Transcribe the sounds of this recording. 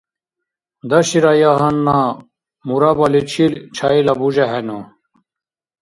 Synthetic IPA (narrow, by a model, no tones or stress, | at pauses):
d̪ɐɕiɾajaɦɐnːa | muɾabɐlit͡ɕʰilt͡ɕʰailɐbud͡ʑaɦeno